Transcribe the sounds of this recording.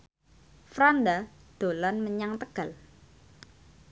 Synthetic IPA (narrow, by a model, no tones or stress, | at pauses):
fɾand̪ad̪̥o̤lanməɲaŋt̪əɡ̥a̤l